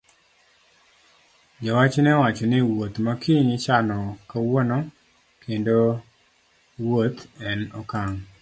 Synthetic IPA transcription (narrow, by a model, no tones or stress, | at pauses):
d͡ʒawat͡ʃnɛwat͡ʃɔnɪwot̪makiɲɪt͡ʃanɔkawonɔ | kʰendo | wot̪ɛnɔkaŋ